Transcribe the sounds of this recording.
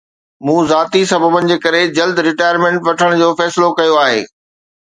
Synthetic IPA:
mũːzaːt̪isɐbʱəbənɪ̆d͡ʑeːkɐɾed͡ʑɐld̪ʱɾɪʈaːjəɾmẽːɳʈʋɐʈʰəɽ̃d͡ʑoːfɛːsɪlokɐjoaːɦḛː

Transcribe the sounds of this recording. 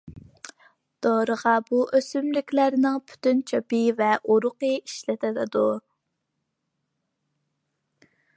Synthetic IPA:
d̪̥oɾəʁɑbuʔøsymlɪkʲlæɾnɪŋpʰy̥t̪ynt͡ʃʰøpɨvɛʔoɾʊqəiʃlɪt̪ʰɪlɪd̪u

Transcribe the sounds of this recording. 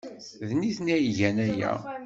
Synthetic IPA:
ðniθnæjiʝænæjæ̰

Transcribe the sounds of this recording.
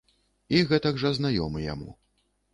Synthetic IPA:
iɣɛt̪ɐɡʐɐznajɔmɨja̰mṵ

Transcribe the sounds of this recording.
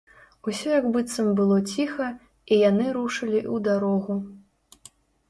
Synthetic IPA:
usʲɔjɐɡbɨt̪sɐmbɨlˠɔt͡sʲixɐ | ijanɨɾuʂɐlʲiʔud̪aɾɔɣu

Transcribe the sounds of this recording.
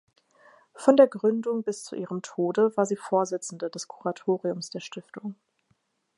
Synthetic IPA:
fɔndeːɐɡʁʏndʊŋbɪst͡sṵʔiːʁəmtʰoːdəvaːɐziːfoːɐzɪt͡sn̩dədɛskʰu̥ʁatʰoːʁiʊmsd̥eːɐʃtɪftʊŋ

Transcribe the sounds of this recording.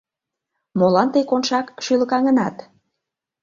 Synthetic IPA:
molɑnt̪əjkonʃɑkʃyləkɑŋə̆nɑt̪

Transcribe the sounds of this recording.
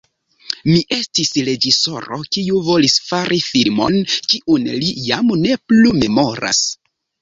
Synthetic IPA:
miʔe̞stisɾe̞d͡ʒiso̞̰ɾo̞̰kiuvo̞lisfaɾʔifilmo̞̰nkiʔunlijamne̞plume̞mo̞ɾa̰s

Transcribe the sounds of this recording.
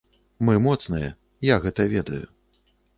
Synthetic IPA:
mɨmɔt̪snɨjɛ̰ | jaɣɛt̪ɐvʲɛd̪ɐju

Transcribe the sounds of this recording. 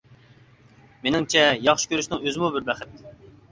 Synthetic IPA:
menɪŋt͡ʃʰɛjɑχʃɪ̥kʲʰøɾyʃnɪŋøzɪmubɪɾbɛχɪt̪̚

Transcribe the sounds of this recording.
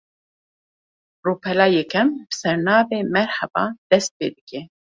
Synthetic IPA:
ruːpʰɛlaːjɛkɛmbɨ̥sɛɾnɑːveːmɛɾhɛbɑ̰ːd̪̥ɛst̪̚pḛːd̪ɨkʲɛ

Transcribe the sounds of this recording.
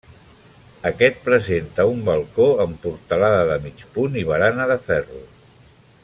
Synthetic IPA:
əkɛt̪̚pɾəzent̪əumbəlˠkoəmpuɾt̪əlaðəðəmit͡ʃpuniβ̞əɾanəðəfɛru

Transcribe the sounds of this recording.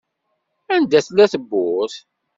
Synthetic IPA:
ænd̪æθlæθəbːʊθ

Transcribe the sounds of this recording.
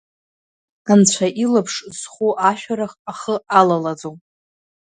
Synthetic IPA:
ant͡ɕʷʰaʔilapʰʂzχʷuʔaʃᶣaɾaχaχəalalad͡zowpʼ

